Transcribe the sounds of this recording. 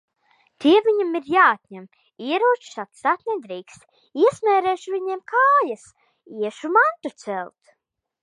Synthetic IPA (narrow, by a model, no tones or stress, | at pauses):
t̪iɛvʲiɲamiɾjaːat̪ʲɲɛm | iɛɾuɔt͡ʃsat̪sat̪nɛd̪ɾiːkst̪ | iɛsmʲɛːɾɛːʃuviɲɛmkaːjas | iɛʃumant̪ut̪sɛlˠt̪